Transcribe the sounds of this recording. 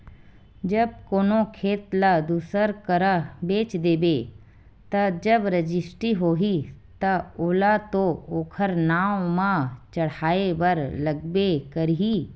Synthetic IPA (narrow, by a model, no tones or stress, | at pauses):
d͡ʒɐb̚koːnõkʰeːt̪lad̪uːsəɾkɐɾabeːt͡ʃd̪eːbeː | t̪ɐd͡ʒɐbɾɐd͡ʒɪsʈiɦoːɦit̪ɐoːlat̪ooːkʰəɾnaːwmãt͡ʃɐɽaːeʋɐɾlɐɡbekɐɾɦiː